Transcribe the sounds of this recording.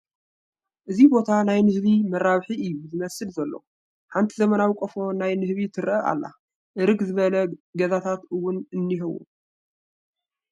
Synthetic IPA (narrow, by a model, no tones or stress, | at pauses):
ʔɨzibo̞t̪ʰanajnɨhβimɐɾːaβħiɨjːuzɨmɐsɨlzɐlːo̰ | ħant̪ʰizɐmɐnawikʼofo̞najnɨhβit̪ʰɨɾʔɐʔa̰lːa̰ | ʔɨɾɨɡzɨβɐlɐɡɐzat̪ʰat̪ɨwːʊnɨnːiɦɨwṵ